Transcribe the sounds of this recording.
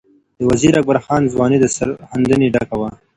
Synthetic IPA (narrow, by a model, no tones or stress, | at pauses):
d̪̥əwaziːɾak̚baɾxɑːnzwɑːnid̪əsa̰ɾhand̪əniɖakawa